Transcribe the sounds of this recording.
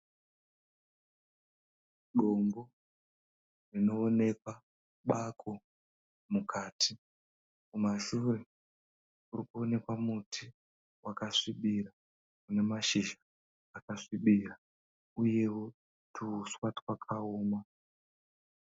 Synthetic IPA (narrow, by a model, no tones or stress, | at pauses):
ɗombo | rino̞ːne̞kwa | ɓakʰo̞ | mukʰaːtʰi | kumaʃure̞ | urikuo̞ne̞kwamutʰi | wʔakaʂiɓira | kune̞maʃiʒaː | kaʂiɓira | uje̞wo̞ | tʰuːswatwakʰaoːma